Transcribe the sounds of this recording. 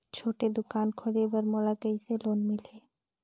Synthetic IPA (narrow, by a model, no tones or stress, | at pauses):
t͡ʃʰoːʈed̪ʊkaːnkʰoɽebəɾmɔlaɡəiseloːnmɪleː